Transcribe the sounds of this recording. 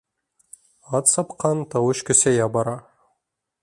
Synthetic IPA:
ɑt̪sɑpqɑnt̪ɑwɵʃkʲɵ̆sejɑbɑɾɑ

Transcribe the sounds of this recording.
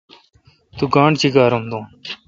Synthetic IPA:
t̪uːɡãːɳt͡ɕiɡaːɾomd̪õːn

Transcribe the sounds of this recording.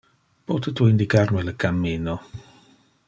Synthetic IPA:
poːtətʰuɪndikarnwɛləkʰamːiːnɔ

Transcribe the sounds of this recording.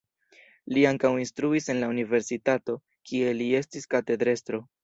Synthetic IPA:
liaŋkawinstɾuise̞nlaunive̞ɾsitato̞ | kʰie̞lie̞stiskate̞dɾe̞stɾo̞

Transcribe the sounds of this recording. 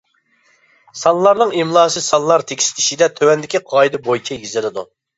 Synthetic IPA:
sɑnlˠɑɾnɨŋimlˠɑːsɨsɑnlˠɑɾt̪ʰekʲʰi̥sʰiʃid̪ɛt̪ʰøwɛnd̪ɪkʲiqʰɑjd̪ɨbojt͡ʃʲʰɛɡʲizɪlˠɪd̪ṵ

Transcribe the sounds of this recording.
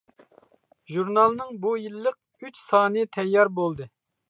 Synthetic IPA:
ʒuɾnɑlˠnɨŋbujilˠːəq̚ | yt͡ʃsɑːnɨt̪ʰɛjːɑɾbolˠd̪ɨ

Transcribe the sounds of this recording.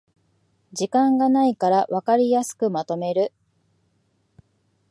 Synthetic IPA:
d͡ʑikãŋɡanaikaɾaβakaɾʲijasɨ̥kɯ̟mat̪o̞me̞ɾɯ̟

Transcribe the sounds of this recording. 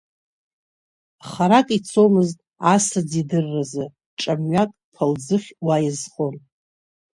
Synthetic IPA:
χaɾakʼit͡sʰomɨztʼasad͡zidɨrːazɨ | ʈ͡ʂʼamɥakʼpʰald͡zɨχʲwajɪzχon

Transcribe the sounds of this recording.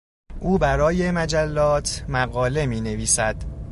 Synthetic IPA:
ʔuːbæɾɒːje̞mæd͡ʒælːɒːt̪ʰmæɣɒːle̞miːne̞viːsæd̪̥

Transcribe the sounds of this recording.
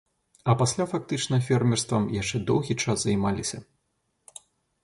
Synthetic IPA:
ɐpasʲlʲafak̚t̪ɨt͡ʂnɐfʲɛrmʲɛrst̪vɐmjaʂt͡ʂɛd̪ɔwɣʲit͡ʂaszɐjmalʲisʲɐ

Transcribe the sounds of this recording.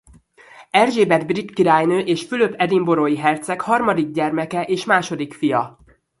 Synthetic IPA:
ɛrʒeːbɛd̪brit̪kiɾaːjnøːʔeːʃfyløbʰɛd̪imboɾoːjiɦɛrt̪sɛkhɒrmɒd̪iɡ̚ɟɛrmɛkɛʔeːʃmaːʃo̞d̪ikfijɒ

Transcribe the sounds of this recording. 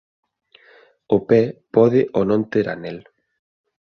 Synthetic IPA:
opɛpɔðeʔonõnt̪eɾa̰nel

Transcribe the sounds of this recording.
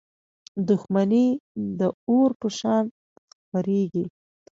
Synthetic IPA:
d̪ʊxmanid̪əoɾpəʃɑn | xpaɾeɡi

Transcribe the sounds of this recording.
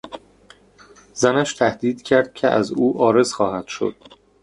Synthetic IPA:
zænæʃt̪ʰæhd̪iːd̪̥cʰæɾd̪̥̚cʲʰḛʔæ̰zuːʔɒːɾe̞zxɒːhæd̪̥ʃo̰d̪̥̚

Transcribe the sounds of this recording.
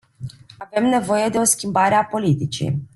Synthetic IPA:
ave̞mne̞vo̞je̞d̪e̞o̞skʲimbaɾe̞apo̞lit̪it͡ʃḭ

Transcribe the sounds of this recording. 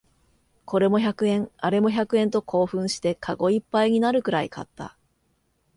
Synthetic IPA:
ko̞ɾe̞mo̞çakɯ̟ẽ̞ŋaɾe̞mo̞çakɯ̟ẽ̞nt̪o̞kʰo̞ːɸɯ̟̃ɰ̃ɕi̥t̪e̞kʰaɡo̞ipːaiɲ̟inaɾɯ̟kɯ̟ɾaikʰa̰t̪ːa̰

